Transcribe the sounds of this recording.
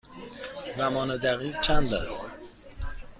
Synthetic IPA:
zæmɔnəd̪æɣiqt͡ʃʰænd̪æ̰st̪

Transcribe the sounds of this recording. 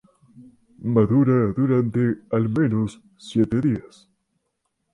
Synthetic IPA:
maðuɾaðuɾant̪ealmenosː | jet̪eðias

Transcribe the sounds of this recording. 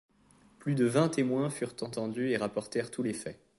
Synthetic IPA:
plyd̪əvɛ̃t̪emwɛ̃fyʁt̪ɑ̃t̪ɑ̃d̪yeʁapɔʁt̪ɛʁt̪ulefɛ

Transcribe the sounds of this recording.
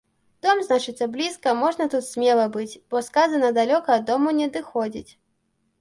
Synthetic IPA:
d̪̥ɔmznat͡ʂɨt͡sʲɐblʲiskɐmɔʐnɐt̪ut̪sʲmʲɛlˠɐbɨt͡sʲb̥ɔskazɐnɐd̪alʲɔkɐːd̪ːɔmunʲɛd̪ɨxɔd͡zʲḭt͡sʲ

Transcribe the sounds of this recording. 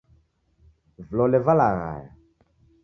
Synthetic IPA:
vlɔlɛvalaɣa̰ja̰

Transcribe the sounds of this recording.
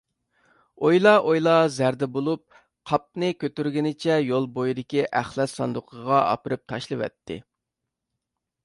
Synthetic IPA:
ojlˠɑʔojlˠɑzæɾd̪ɛbolˠup̚ | qʰɑp̚nɨkʲøt̪yɾɡʲɪnɪt͡ʃʰɛjolˠbojid̪ɪkʲiʔæχlˠɛsɑnd̪ʊqʰəʁɑɑ̰pɨɾɨp̚t̪ʰɑʃlˠɨʋɛ̰t̪ʰːɪ̰

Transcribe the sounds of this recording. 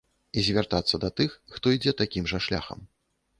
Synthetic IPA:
izʲvʲart̪at̪sːɐd̪ɐt̪ɨxːt̪ɔid͡zʲɛt̪akʲimʐɐʂlʲa̰xɐ̰m

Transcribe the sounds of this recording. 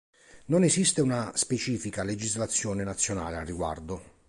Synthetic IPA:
nonesist̪eunaspet͡ʃiːfikaled͡ʒizlat̪sːjɔːnenat̪sːjona̰ːlearːiɡwa̰rd̪o

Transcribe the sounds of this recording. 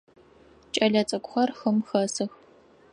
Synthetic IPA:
t͡ʃʼɐɮɐt͡sʼɐkʷʊχɐrxɐmxɐsɨx

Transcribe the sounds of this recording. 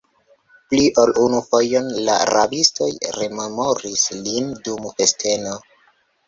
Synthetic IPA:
pliʔo̞lʔunufo̞jo̞nla̰ɾa̰bisto̞jɾe̞memo̞ɾislindumfe̞stʰe̞no

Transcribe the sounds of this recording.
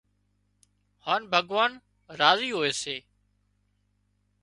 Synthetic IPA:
haːnbʱəɡʋaːn | ɾaːziːɦoːeːseː

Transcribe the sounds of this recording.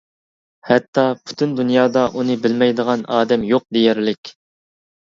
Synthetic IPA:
hɛt̪ːɑpʰy̥t̪ʰynd̪unjɑːd̪ɑʔunɨbɪlmɛjd̪əʁɑnɑ̰ːd̪ɛmjoq̚d̪ejæɾlɪkʲ

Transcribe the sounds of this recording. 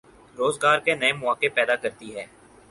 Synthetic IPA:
ɾoːzɡaːɾkenɐemʊʋaːkepɛːd̪akəɾt̪iɦɛː

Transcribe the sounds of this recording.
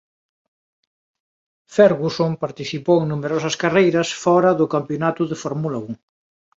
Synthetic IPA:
fɛɾɣusompaɾt̪iθipoeŋnumeɾɔsɐskarejɾɐsfɔɾɐðʊkampjonat̪ʊðefɔɾmulauŋ

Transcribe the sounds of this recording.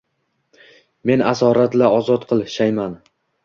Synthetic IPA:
me̞nasɒɾat̪laɒzɒt̪qʰɨlˠɪʃajman

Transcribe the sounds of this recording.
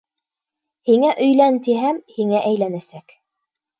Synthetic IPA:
hiŋæʔɵ̆jlænt̪iɦæmhiŋæʔæjlænæsæk

